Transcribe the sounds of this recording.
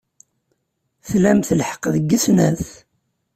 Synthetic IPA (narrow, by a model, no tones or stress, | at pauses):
θlæmθəlħə̥qːðəɡːəθnæθ